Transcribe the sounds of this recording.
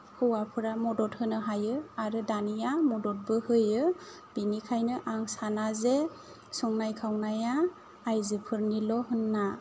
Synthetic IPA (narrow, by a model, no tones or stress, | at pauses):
hɯwapʰɯɾamɔdɔt̚hɯnɯɦajɯaɾɯdanijamɔdɔt̚bɯhɯjɯ | b̥inikʰajnɯʔaŋsanaze | sɔŋnajkʰawnajaː | jzɯpʰɯɾnilɔɦɯnːa